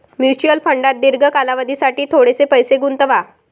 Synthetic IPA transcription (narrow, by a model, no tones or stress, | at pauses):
mjut͡ɕuəlfəɳɖat̪̚d̪iɾɡʱəkalaʋəd̪isaʈiːt̪ʰoɽesepəjseɡunt̪əʋa